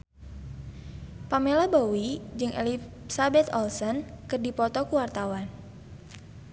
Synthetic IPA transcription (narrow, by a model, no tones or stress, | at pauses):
pamelabowid͡ʒɨŋʔɛ̰li | sabɛt̪ɔlsɔnkɨrdipɔt̪ɔkuwart̪awan